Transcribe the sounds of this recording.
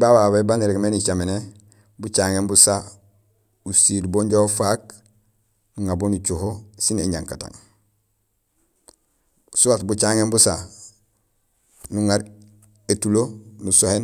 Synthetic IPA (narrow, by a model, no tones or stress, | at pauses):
bawawebaniɾeɡmenit͡ʃamene | but͡ʃaːŋenbusa | usidboːɲɟoofaːk̚ | nuŋabonut͡ʃuhosineɲaŋkatã̰ŋ | suwatbut͡ʃaŋembusa | nuŋaɾ | etulonusohen